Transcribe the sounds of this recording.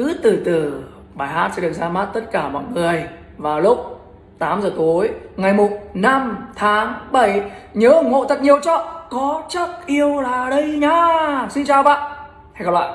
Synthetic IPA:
kɨ˨˦t̪ɨ˨˩t̪ɨ˨˩ | ɓaː˨˩jɦaː˦˥t̚sɛ̰˧˥ɗɨ˨˩ək̚zaː˧ma˦˥t̚t̪ə˦˥t̚kaː˧˩mɔ̰˧˨jŋɨ˨˩əj | vaː˨˩wlʊ˦˥k͡p̚ | t̪aː˨˦mzəː˨˩t̪o˨˦jŋa˨˩jmo˨˩t̚na˧mt̪ʰaː˨˦ŋɓə˧˩jɲəː˨˦ŋo̰˧˨t̪ə˨˩t̚ɲi˨˩əwt͡ɕɔ̰˧˨kɔ˨˦t͡ɕə˦˥k̚ʔi˧əwlaː˨˩ɗə˧jɲaː˧si˧nt͡ɕaː˨˩wva̰ː˧˨ʔ | a˧jkaː˨˧˩lwa̰ː˧˨

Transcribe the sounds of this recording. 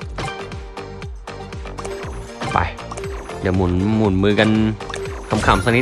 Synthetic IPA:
pa̰˧˩j | di˨˩˦muː˨˩˦nmuː˨˩nmɯː˧ka˧nkʰa˧mkʰaː˨˩˦msa˧ni˦˥

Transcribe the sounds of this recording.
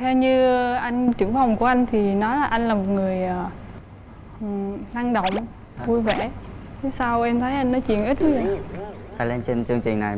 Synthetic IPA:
t̪ʰɛ˧wɲɨ˧ʔa˧jŋ̟t͡ɕɨ˧˩əŋva˨˩wŋ͡mku˧˩əʔa˧jŋ̟t̪ʰi˨˩nɔ˨˦jlaː˨˩ʔa˧jŋ̟laː˨˩mo˨˩ŋɨ˨˩əjʔaː˨˩˨ | laː˧ŋɗo̰˧˨wŋ͡m | vu˧jvɛ˧˩t̪ʰe˨˦saː˧wʔɛ˧mt̪ʰə˨˦jʔa˧jŋnːɔ˨˦t͡ɕḭ˧˨ənʔi˦˥t̚vu˨˦vḭ˧˨ | t̪aː˧˩le˧nt͡ɕe˧nt͡ɕɨ˧əŋt͡ɕï˨˩ŋna˨˩j

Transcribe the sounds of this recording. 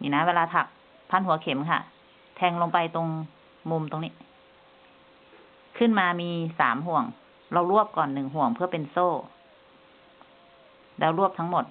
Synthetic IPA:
ɲi˧˨naː˧˥˧eː˧laː˧t̪ʰa˧˩k̚ | pʰa˧˥˨nhu˩˦ɐkʰe˨˩˦mkʰa̰˧˩ʔ | t̪ʰɛː˧ŋlo˧ŋpa˧jt̪o˧ŋ | mu˧mt̪o˧ŋnḭː˧˥˨ | kʰɯ˧˥˨nmaː˧miː˧saː˩˦mɦu˧˩əŋ | la˧wlu˥˩əp̚kɔː˨˩nːɯ˨˩ŋɦu˧˩˦əŋpʰɯ˥˩ɐpe˨nsoː˧˥˩ | lɛː˧˩wlu˥˩p̚t̪ʰa˧˥ŋmo˨˩t̪̚

